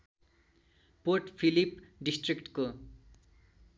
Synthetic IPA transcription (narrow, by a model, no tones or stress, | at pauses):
porʈpʰilipɖisʈrikʈko